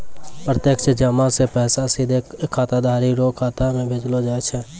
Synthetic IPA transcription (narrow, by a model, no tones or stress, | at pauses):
pɾət̪jəkʃəd͡ʒəmãsepɛːsasid̪ʱekʰːaːt̪ad̪ʱaːɾiɾoːkʰaːt̪amẽbʱed͡ʒlod͡ʒaːet͡ʃʰɛː